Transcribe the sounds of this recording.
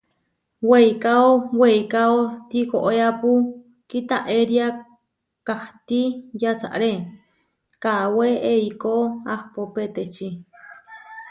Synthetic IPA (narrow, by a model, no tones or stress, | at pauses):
weikaoweikaot̪ikoʔeapu | kit̪aʔeɾia | kaht̪ijat͡sa̰ʔɾe | kaweeikoahpopet̪et͡ʃi